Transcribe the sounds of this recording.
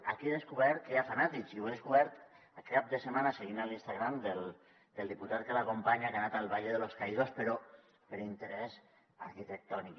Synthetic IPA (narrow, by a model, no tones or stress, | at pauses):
akiðeskuβɛɾt̪̚keafanat̪ikziueðeskuβɛɾt̪ | akːap̚d̪əsəmanaseɣ̞inalinst̪aɣɾamd̪el | d̪əlˠd̪iput̪at̪̚kəlakompaɲaɣanat̪alˠβaʎeðəloskaiðospəɾɔ | pəɾint̪əɾɛz | aɾkit̪ək̚t̪ɔnik